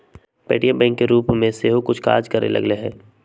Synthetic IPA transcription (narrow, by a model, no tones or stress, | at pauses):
pḛːʈijãbɛ̃ːŋkːeɾuːpmẽseːɦokʊt͡ʃʰka̰ːɾd͡ʒkɐɾḛlʔɐ̰ɡleɦɛ̃ː